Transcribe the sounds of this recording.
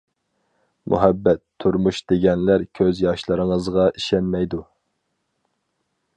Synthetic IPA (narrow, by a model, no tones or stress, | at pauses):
mʔṵɦɛbːɛt̪ʰːuɾmuʃd̪̥eɡʲɛnlæɾkʲʰøzjɑʃlˠɨɾɨŋəzʁɑʔiʃɛnmɛjd̪u